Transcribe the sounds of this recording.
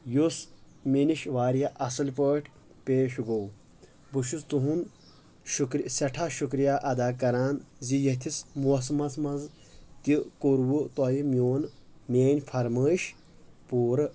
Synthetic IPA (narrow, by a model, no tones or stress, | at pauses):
jos | miniʃʋaːɾjɐʔɐsɨlpəːʈʲʰ | peːʃɡow | buʃust̪uɦun | ʃukɾsɐʈʰaʃukɾijaːʔɐd̪aːkɐɾaːnzijɐt̪ʰismuɐsmɐzmɐnz | t̪ikoɾwut̪ɔjimjoːnmeːnʲfʰɐɾməːʃ | puːɾɨ